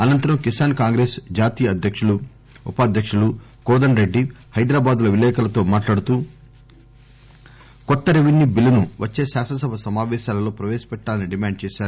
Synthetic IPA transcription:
ɐnɐnt̪ɐɾɐmkisaːnkaːŋɡɾeːsd͡ʒaːt̪ijɐɐd̪ʱjɐkʂulu | ṵpaːd̪ʱjɐkʂulu | kɔːd̪ɐnɾeɖːi | hɐjd̪ɾaːbaːd̪ulɐʋilɛːkɐlɐt̪o̞ːmaːʈlaːɽut̪uː | kɔt̪ːɐɾiʋinːibilinuʋɐt͡ʃːe̞ːsaːʃɐsɐbʱɐsɐmaːʋɛːʃaːlɐlo̞ːpɾɐʋɛːʃɐ̥pɛʈːaːlɐniɖimaːɳɖ̚t͡ʃɛːʃaːɾu

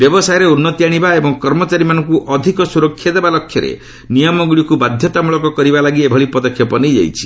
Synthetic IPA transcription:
bjɔbɔsajɔɾeunːɔt̪jaɽ̃ibaebɔŋkɔɾmɔt͡ʃaɾimanɔŋkuʔɔd̪ʱikɔsuɾɔkʰːjad̪ebalɔkʰːjɔɾḛ | nijɔmɔɡɭikubad̪ʱjɔt̪amuɭɔkɔkɔɾibalaɡiebʱɔɭipɔd̪ɔkʰːjɔpɔnejd͡ʒa̰jt͡ʃʰi̥

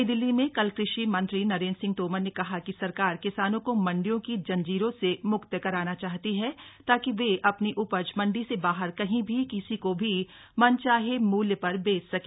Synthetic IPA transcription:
d̪ɪlːimẽkɐlkɾɪʃimɐ̃nt̪ɾinɐɾeːnsɪ̃ŋɡ̚t̪oːmənnekɐɦakisɐɾkaːɾkɪsaːnõkomɐ̃ɳɖijõkid͡ʒɐ̃nd͡ʒiːɾõsemʊkt̪jəkɐɾaːnat͡ʃaːɦt̪iɦɛt̪aːkiʋeʔɐpniʔʊpəd͡ʒmɐ̃ɳɖisebaːɦəɾkɐɦĩbʱikɪsikobʱi | mɐnt͡ʃaːɦemuːljəpɐɾbeːt͡ʃsɐke

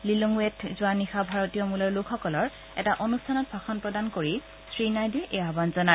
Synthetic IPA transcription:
lilɔŋwetzʊwanixabʱaɹɔtiɔmulɔɹlokʰxɔkɔlɔɹ | ɛ̰taʔonustʰanɔt̚bʱaxɔnpɹɔdankoɹi | sɹinajdɛʔeabanzɔna

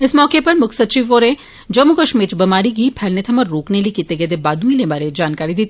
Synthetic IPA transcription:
ɪsmɔːkepɐɾmʊkʰsɐt͡ʃiːʋoːɾẽ | d͡ʒɐmukɐʃmeːt͡ʃbɐmaːɾik̬ipʰɛːlnet̪ʰɐmɐɾːoːknelikit̪eɡed̪ebaːd̪ʱũĩlebaːɾed͡ʒaːnkaːɾid̪it̪ʰ

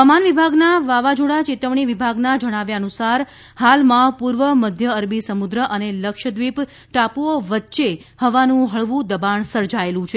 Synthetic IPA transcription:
amanʋibʱaɡnaʋaʋad͡ʒoɽat͡ʃɪt̪əʋɳ̃iʋibʱaɡnad͡ʒəɽ̃aʋjaənusaɾ | halmãpuɾʋəməd̪ʱjəəɾbisəmud̪ɾəʔəneləkʃəd̪ʋip | ʈapuoʋətːʃehəʋanũɦəɭʋũd̪əbaɳsəɾd͡ʒaelũt͡ʃʰe

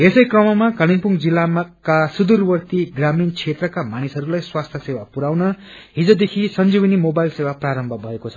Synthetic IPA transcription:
esʌjkrʌmʌmakʌliŋpuŋd͡zilamkasud̪urwʌrt̪iɡramint͡sʰet̪rʌkamanisɦʌɾulajswast̪ʰjʌsewapuɾawnʌ | ɦid͡zod̪ekʰisʌnd͡zibʌnimobajlsewapraɾʌmbʱʌbʱʌekot͡sʰʌ̥

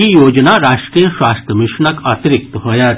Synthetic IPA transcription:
ijoːd͡ʒnaɾaːʃʈɾiːjəʃwaːst̪ɾəmɪʃɳɐkaːt̪ɾɪk̚t̪ɦoːja

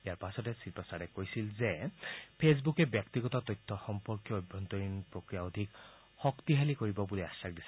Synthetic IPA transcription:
ijaɹpasɔtɛsipasaɹɛkojsilzɛpʰes̬bukɛbjaktiɡɔtɔtɔjtʰːɔxɔmpɔɹkjɔːjbʱːɔnt̪ɔɹinpɹokɹijaod̪ʱik | xɔkt̪iɦalikoɹibɔbuliasak̚disɛ̥

